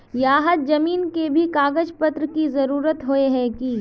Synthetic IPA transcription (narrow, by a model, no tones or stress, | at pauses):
jaːɦəd̪̚d͡ʒɐmiːnkebʱikaːɡəd͡ʒpət̪ɾəkizɐɾuːɾət̪ɦoeɦɛ̃ki